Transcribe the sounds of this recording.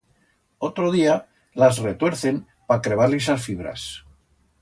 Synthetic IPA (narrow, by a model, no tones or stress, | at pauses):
o̞t̪ɾoð̞ia | lazre̞t̪weɾθe̞m | pakɾe̞β̞aɾlisasfiβ̞ɾa̰s